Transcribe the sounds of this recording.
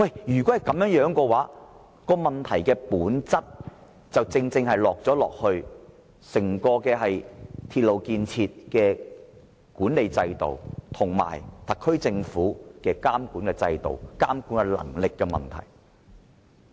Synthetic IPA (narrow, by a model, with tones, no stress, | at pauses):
wɐ˥˩jjyː˨˩kɔ˨˥hɐ˨˩jkɐ˨˧mjœː˨˥ŋjœː˨˥ŋkɔː˧waː˨˥ | kɔː˧mɐ˨˩nt̪ʰɐ˨˩jkɛː˧puː˨˥nt͡sɐ˥t̚ | t͡sɐ˨wt͡sɪ˧ŋt͡sɪ˧ŋhɐ˨jlɔː˨k̚t͡sɔː˨˥lɔ̰ː˨k̚hɵ˧ɥ | sɪ˨˩ŋkɔː˧kɛː˧ɦɐ˨jt̪ʰiː˧t̚lo˨wkiː˧nt͡sʰiː˧t̚kɛː˧ | kuː˨˥nle˨jt͡sɐ˧jt̪o̰˨wt̪ʰʊ˨˩ŋma̰ː˨˩jt̪ʰɐ˨kʰːɵ˥ɥt͡sɪ˧ŋfuː˨˥kɛː˧kaː˥mkuː˨˥nkɛ˧t͡sɐ˧jt̪o̰˨wkaː˥mkuː˨˥nkɛ˧lɐ̰˨˩ŋlɪ˨kːɛː˧mɐ̰˨˩nt̪ʰɐ̰˨˩j